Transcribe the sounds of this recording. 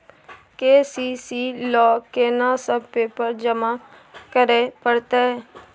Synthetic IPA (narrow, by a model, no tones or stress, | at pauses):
keːsiːsiːlɔːkeːnasəb̚peːpəɾd͡ʒəma | kəɾepəɽt̪eɦɛː